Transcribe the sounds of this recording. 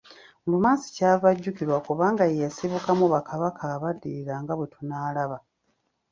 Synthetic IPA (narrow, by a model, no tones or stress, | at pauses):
ulumaːsi̥caːvaɟːukiɾwakuβaːŋɡajejasiβukamuβakʰaβakʰaːβadːiɾiɾaŋɡaβwe̞tʰunaːlaβa